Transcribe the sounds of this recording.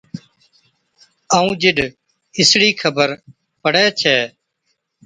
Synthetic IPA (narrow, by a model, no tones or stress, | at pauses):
əːũːd͡ʒɪɗ | ɪsɽiːkʰəbəɾ | pəɽɛːt͡ʃʰɛː